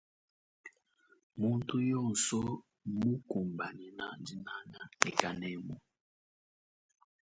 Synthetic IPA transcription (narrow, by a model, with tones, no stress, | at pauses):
mu˦n˦tu˦jɔ˦n̩˨sɔ˦ | mu˦ku˨mba˨ni˨na˦ndi˦na˦na˦ɛ˨ka˨nɛ˦˨˦mu˨